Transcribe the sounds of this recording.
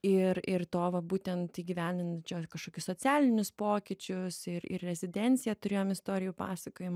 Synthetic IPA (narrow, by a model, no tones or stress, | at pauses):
ɪɾɪrt̪oːʋɐbuːt̪ʲɛnt̪iːɡʲiʋʲæːnʲd̪ʲɪnt͡ʃʲɛːkɐʃkoːkʲʊssoːt͡s̪ʲæːlʲɪnʲʊspoːkʲɪt͡ʃʲʊsɪɾɪ̰rrʲɛzʲɪd̪ʲɛnʲtt͡ssʲɪjɛt̪ʊɾʲeːjoːmɪst̪oːɾʲɪjuːpɑ̰ːsɐkoːjɪm